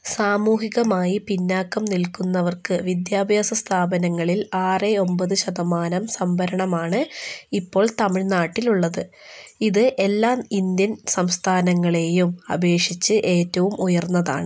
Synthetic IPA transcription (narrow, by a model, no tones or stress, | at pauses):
saːmuːɦiɣɐmaːjipinːaːkːɐmnilkunːɐʋɐrkɨʋid̪jaːbʱjaːsɐst̪ʰaːbɐnɐŋːɐɭilaːreo̞mbɐðɨɕɐðɐmaːnɐmsɐmbʱɐɾɐɳɐmaːɳɨipːo̞ːɭt̪ɐmiɻnaːʈːiluɭːɐðɨ | iðɨʔe̞lːaːind̪jɐnsɐmst̪ʰaːnɐŋːɐɭe̞ːjumɐ̰bʱe̞ːʂit͡ɕːɨʔe̞ːtːɐʋumujɐrnːɐða̰ːɳɨ